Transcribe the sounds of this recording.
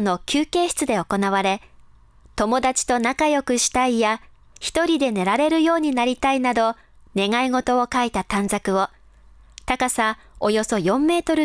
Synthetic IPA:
no̞kʲʰɨːke̞ːɕi̥t͡sɨd̪e̞o̞ko̞naβaɾe̞ | t̪o̞mo̞d̪at͡ɕi̥t̪o̞nakajo̞kɯ̟ɕi̥t̪aija | çi̥t̪o̞ɾʲid̪e̞ne̞ɾaɾe̞ɾɯ̟jo̞ːɲ̟inaɾʲit̪ainad̪o̞ | ne̞ŋaiŋo̞t̪o̞ːkait̪at̪ãnd͡zakɯ̟o̞ | t̪akasa | o̞jo̞so̞jõ̞mːe̞ːt̪o̞ɾɯ̟

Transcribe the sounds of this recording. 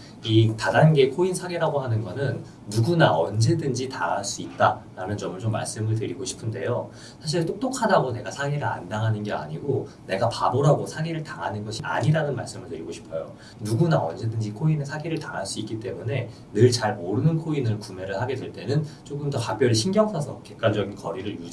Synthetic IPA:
itad͡ʑanɡe̞kʰoinsʰaɡeɾaɡoɦanɯnɡʌnɯnː | uɡunaʌnd͡ʑe̞dɯnd͡ʑitaɦaɭs͈uit̚t͈aɾanɯnt͡ɕʌmɯɭt͡ɕomːa̰ɭs͈ɯmɯɭtɯɾiɡoɕʰi̥pʰɯnde̞̰jo | sʰaɕ̬ʰiɭt͈ok̚t͈okʰadaɡone̞ɡasʰaɡeɾɯɾa̰ndaŋɦanɯnɡe̞a̰ɲiɡone̞ɡapaboɾaɡosʰaɡiɾɯɭtaŋɦanɯnɡʌɕʰiʔa̰ɲiɾanɯnmaɭs͈ɯmɯɭtɯɾiɡoɕʰi̥pʰʌjo̰ | nuɡunaʌ̰nd͡ʑedɯnd͡ʑikʰoinesʰaɡiɾɯɭtaɾaɭs͈uik͈it͈e̞mune̞ | nɯɭt͡ɕaɭmoɾɯnɯnkʰoinɯɭkume̞ɾɯɭhaɡe̞dwe̞ɭt͈e̞nɯnt͡ɕ͈oɡɯmtʌkak̚p͈jʌɾiɕʰinɡjʌŋsʰʌsʰʌ̰ke̞k̚k͈and͡ʑʌɡinkʌɾiɾɯɭju

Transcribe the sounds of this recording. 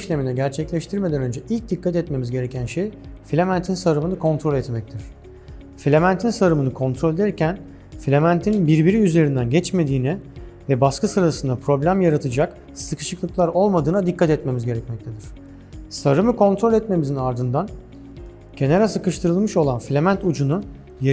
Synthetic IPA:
ʃlʲe̞minɛɟæɾt͡ʃʰɛclʲɛʃt̪ʰiɾme̞d̪ænø̞nd͡ʒɛʔilʲc̚d̪ikːat̪ɛt̪me̞mizɟe̞ɾe̞cʰænʃejfilʲemænt̪ʰinsaɾɯmɯnɯkʰo̞nt̪ɾo̞lʲɛt̪mɛc̚t̪ʰiɾ̥ | filʲemænt̪ʰinsaɾɯmɯnɯkʰo̞nt̪ʰɾo̞lʲed̪ɛɾcʰæn | flʲemænt̪ʰinbiɾbiɾiyze̞ɾind̪ænɟɛt͡ʃme̞d̪iːnɛvɛbaskɯsɯɾasɯnd̪apʰɾo̞blʲæmjaɾat̪ʰɯd͡ʒak | sɯkʰɯ̥ʃɯklˠɯklˠaɾo̞lˠmad̪ɯːnad̪ikʰːat̪ɛt̪me̞mizɟe̞ɾɛcmɛc̚t̪ʰed̪iɾ̝̥ | saɾɯmɯkʰo̞nt̪ɾo̞lʲɛt̪me̞mizinaɾd̪ɯnd̪an | ɟ̥ʰe̞naɾasɯkɯʃt̪ʰɯɾɯlˠmɯʃo̞lˠanflʲemænt̪ud͡ʒunu | j

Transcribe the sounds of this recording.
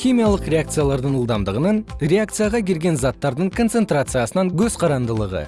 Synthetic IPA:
xʲimijalˠəqrʲe̞ak̚t̪sɨjalˠɑɾd̪əɴəlˠd̪ɑmd̪əʁənəɴɾʲe̞akt̪sɨjaʁɑkʲe̞ɾɡʲe̞nzɑt̪ːɑɾd̪əɴkʰo̞nt̪se̞nt̪ɾat̪sɨjasənɑŋkʲʰɵz̥qʰɑɾɑnd̪əlˠəʁə̰

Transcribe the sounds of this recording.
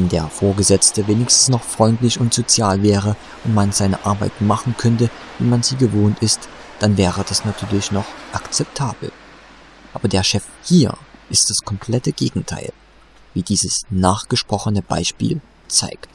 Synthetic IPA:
ɛndeːɐfoːɐɡəzɛt͡stəveːnɪçstn̩snɔχfʁ̥ɔʏntlɪçʊntz̥ot͡sjaːlvɛːʁə | ʔʊntmanzaɪnə̰ʔaɐba̰ɪtmaχn̩kʰœntəvḭːmanziːɡəvoːntɪstd̥anvɛːʁəd̥asnatʰyːɐlɪçnɔχʔakt͡sɛp̚tʰaːb̥l̩ | ʔaːbɐdeːɐʃɛfhiːɐʔɪst̚d̥askʰɔmpʰl̥ɛtəɡ̥ḛːɡŋ̩tʰa̰ɪl | viːdiːzəsnaːχɡ̥əʃpʁ̥ɔχənəb̥a̰ɪʃpḭːl | t͡sa̰ɪkt

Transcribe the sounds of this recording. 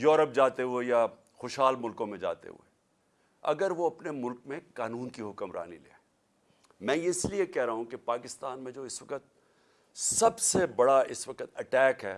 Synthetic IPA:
jɔːɾəp̚d͡ʒaːt̪eɦueja | xoʃɦaːlmʊlkõmẽd͡ʒa̰ːt̪ḛɦṵḛ | ɐ̰ɡəɾʋoɐpnemʊlkmẽkaːnuːnkiɦʊkəmɾa̰ːnḭlḛː | mɛ̃ːjeɪsliekɛɦɾaɦũkepaːkɪst̪aːnmẽd͡ʒoːɪsʋɐkət̪̚ | sɐbsebɐɽaɪsʋɐkət̪ɐʈɛːkɦɛ̰ː

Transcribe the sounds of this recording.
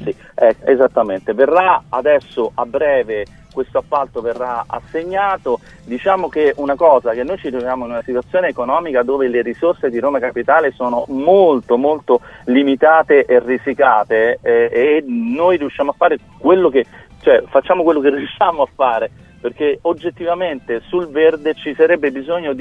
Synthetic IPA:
si | ɛḛzat̪ːament̪everːaad̪ɛsːoʔabːɾɛːve | kwest̪oapːalt̪overːaa̰sːeɲːaːt̪o | d̪it͡ʃaːmok̟eunakɔːzak̟enːojt͡ʃit̪ɾovjaːmoinunasit̪wat̪sːjoːneːkonɔːmikad̪oːveleɾisorsed̪iɾoːmakapit̪aːlesoːnomolt̪omolt̪olimit̪aːt̪eʔerːisikaːt̪eː | nːojriuʃːjaːmoafːaːɾe | kwelːok̟et͡ʃoɛfat͡ʃːaːmokwelːokerːiuʃːaːmoafːaːɾe | perkeod͡ʒːet̪ːivament̪esulverd̪et͡ʃisaɾɛbːebizoɲːod̪

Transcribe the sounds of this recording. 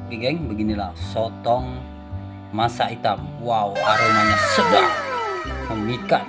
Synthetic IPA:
ɡiɡɛŋbəɡinila̰sɔt̪ɔŋ | masait̪awauaɾamanasəba | məmika

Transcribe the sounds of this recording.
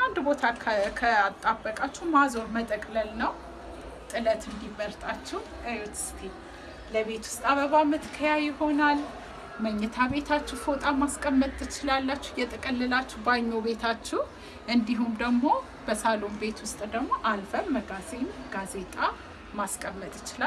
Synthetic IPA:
and̪bo̞t̪ʰakʰəat̪ʼːabːəkʼat͡ʃːɛwmazo̞ɾmət̪ʼəkʼləlnəw | t̪ʼɨlət̪ɨnd̪ibəɾt̪ʼat͡ʃːɛh | ʔajot̪ʰst̪ʰi | ləβe̞t̪wʊ̥st̪ʼaβəβamɨt̪ɨ̥kʰəjajɪho̞nal | məɲːɛt̪ʰaβe̞t̪ʰat͡ʃːɛfot̪ʼamaskʼəmːət̪ʼɨt͡ʃɪlalːat͡ʃːɛhjɛt̪ʼɨkʼəlːɨlat͡ʃːɛhbaɲːoβe̞t̪ʰat͡ʃːɛh | ʔɨnd̪iɦumd̪əɡmo̞ | bəsalo̞mbe̞t̪wʊst̪ʼd̪əɡmo̞ʔalfəmːəɡaze̞nɡaze̞t̪ʼa | maskʼəmːət̪ʼɪt͡ʃɪla

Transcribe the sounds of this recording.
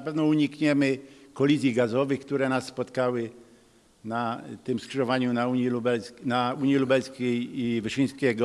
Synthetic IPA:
pɛvnɔuɲikɲɛmɘkɔlʲizʲjiɡazɔvɘxkt̪uɾɛnasːpɔt̪kawɪ | nat̪ɪmskʂɘʐɔvaɲunauɲilubɛlʲnauɲilubɛlskʲejivɪʂij̃skʲɛɡɔ

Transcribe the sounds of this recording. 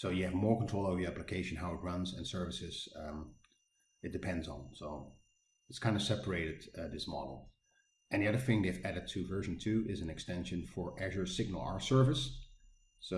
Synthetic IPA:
soʊjɨːvmɔɹkntʰɹ̥oʊlˠoʊvə˞ə˞æplɨkʰeɪʃɨ̃n̩ɦaʊɨt̚ɹʌ̃nzɨ̰̃nsɜ˞vɨsɪz̥ | ɨt̚d̥ɨpʰɛ̃ndzn̩soʊ | ɨtskʰãɪ̃ndɨsɛpə˞eɪɾɨd̚ðɪsmɑ̰ɾl̩ˠ | ʔɨ̃nðiʌðə˞θɪ̃ŋðeɪvæɾɨd̚tʰɨvɜ˞ʒɨ̃ntʰʉɪzɨ̃nɨkstɛ̃nʃɨ̃nfə˞ʔɛʒə˞sɪɡ̚nl̩ˠa̰ə˞sɜ˞vɨs | so

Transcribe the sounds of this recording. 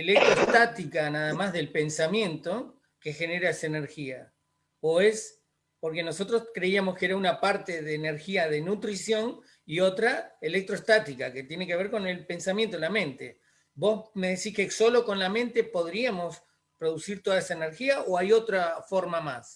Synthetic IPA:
elek̚t̪ɾoest̪at̪ikanaðamazðe̞lpe̞nsamjẽ̞nt̪o̞ | ke̞xe̞ne̞ɾaesaeneɾxia | oe̞s | po̞ɾke̞no̞so̞t̪ɾo̞skɾeiamo̞skeeɾaunapaɾt̪eðeːneɾxiaðe̞nut̪ɾisjo̞n | io̞t̪ɾaelek̚t̪ɾoest̪at̪ikake̞t̪je̞nekeβ̞e̞ɾko̞ne̞lpe̞nsamjent̪olamẽ̞nt̪e̞̰ | bo̞sme̞ðesihkeso̞lo̞ko̞nlamẽ̞nt̪epo̞ðɾiamo̞s | pɾo̞ðusiɾt̪o̞ðaesaeneɾxiaʔoajo̞t̪ɾafo̞ɾmamas

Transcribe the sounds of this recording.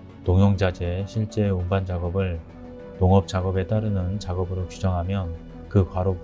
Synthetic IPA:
toŋjʌŋd͡ʑad͡ʑeɕʰiɭt͡ɕ͈e̞umband͡ʑaɡʌbɯɭ | toŋʌp̚t͡ɕ͈aɡʌbe̞t͈aɾɯnɯnt͡ɕaɡʌbɯɾot͡ɕud͡ʑʌŋɦamjʌn | kɯkwaɾo

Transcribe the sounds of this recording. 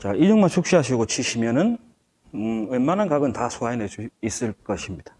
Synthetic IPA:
t͡ɕaid͡ʑʌŋmaɭt͡ɕʰuk̚ɕ͈iɦaɕ̬ʰiɡot͡ɕʰiɕʰimjʌnɯn | ɯɯmːanankaɡɯntasʰuaineis͈ɯɭk͈ʌɕʰimɲid̥ḁ

